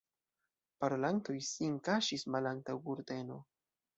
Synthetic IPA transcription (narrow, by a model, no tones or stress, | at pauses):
paɾo̞lanto̞jsiŋkaʃismalantawɡuɾde̞no̞